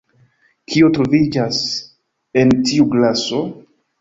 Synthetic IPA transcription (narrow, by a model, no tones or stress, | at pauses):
kʰio̞tɾovid͡ʒas | e̞ntiuɡlaso̞